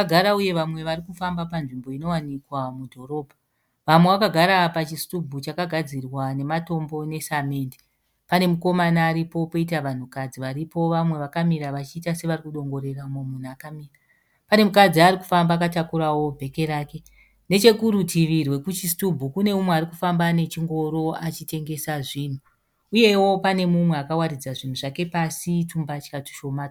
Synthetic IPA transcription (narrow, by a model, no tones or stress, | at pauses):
ɡʱaɾauje̞ʋamwe̞ʋarikufambapanʐimbo̞ino̞wanikwamudʱo̞ɾo̞ːbʱa | ʋamwe̞ʋakaɡʱaɾapat͡ʃistubʱut͡ʃakaɡʱad͡zirwane̞mato̞mbo̞ne̞same̞ːndi | pane̞muko̞manaːɾipo̞poitaʋan̤ukad͡ziʋaɾipo̞ʋamwe̞ʋakamiɾaʋat͡ʃiːtase̞ʋarikuɗo̞ŋɡo̞ɾe̞raumomun̤uakamiːra | pane̞mukad͡ziariku̥fambaːkatakuɾawo̞bʱe̞ke̞ɾaːke̞ | ne̞t͡ʃe̞kuɾutʰiʋirwe̞kut͡ʃistubʱukune̞mumweaɾikufambane̞t͡ʃiŋɡo̞ɾo̞at͡ʃite̞ŋɡe̞saʐiːn̤u | uje̞wo̞pane̞mumwe̞akawarid͡zaʐin̤uʐake̞pasitumbat͡ʃi̥kati̥ʃo̞maːa